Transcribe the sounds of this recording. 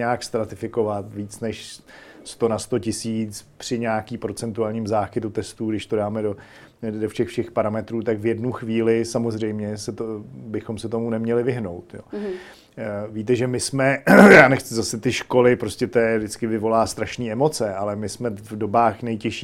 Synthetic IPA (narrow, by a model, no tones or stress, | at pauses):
aːkst̪ɾat̪ɪfɪko̞vat̪viːt͡snɛʃ | st̪o̞nast̪o̞cɪsiːt͡spr̥ɪɲaːkiːpɾo̞t͡sɛnt̪uaːlɲiːmzaːxɪt̪ut̪ɛst̪uɡdɪʃt̪o̞daːmɛdo | doʃɛxfʃɛxpaɾamɛt̪ɾuːt̪akvjɛdnuxviːlɪsamo̞zr̝ɛjmɲɛsɛt̪obɪxo̞msɛt̪o̞munɛmɲɛlɪvɪɦno̞wt̪jo̰ː | viːt̪̬ɛʒɛmɪsmɛjaːnɛxt͡sɪzasɛt̪ɪʃko̞lɪpɾoscɛt̪ojɛdɪt͡skɪvɪvo̞laːst̪ɾaʃniːɛmo̞t͡sɛalɛmɪsmɛvdo̞baːxnɛjcɛʃiː